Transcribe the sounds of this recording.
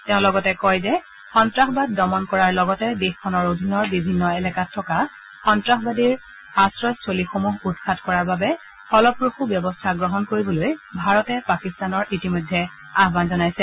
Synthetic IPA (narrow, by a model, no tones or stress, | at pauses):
teʊ̃lɔɡɔtɛkɔjzɛ | xɔntɹaxbad̚ːɔmɔnkɔɹaɹlɔɡɔtɛdexkʰɔnɔɹodʱinɔɹbibʱinːɔɛlakatʰːɔka | xɔntɹaxbadiɹ | asɹɔstʰolixomuɦutkʰatʰkɔɹaɹbabɛ | xɔlɔpɹoxubjɔbɔstʰaɡɹɔɦɔnkoɹibɔlojbʱaɹɔtɛpakistanɔɹitimojdʱːɛ | aɦbanzɔnajsɛ